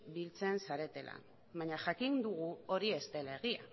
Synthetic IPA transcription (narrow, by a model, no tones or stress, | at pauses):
bilt͡se̞nsaɾe̞t̪e̞la̰ | βaɲaʝakind̪uɣuo̞ɾie̞st̪e̞leɣia̰